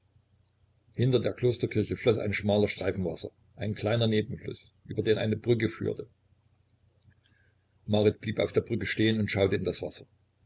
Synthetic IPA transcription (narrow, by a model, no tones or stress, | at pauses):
hɪntɐdeːɐkʰloːstɐkʰɪɐçəflɔsa̰ɪnʃmaːlɐʃtʁ̥aɪfn̩vasɐ̰ | ʔaɪnkl̥aɪnɐneːbm̩flʊ̰s | ʔyːbɐdeːnʔa̰ɪnəbʁʏkəfy̰ːɐtə | maʁɪtb̥liːpa̰ʊfd̥eːɐbʁʏkəʃteːənʊntʃaʊtəɪndasv̥asɐ̥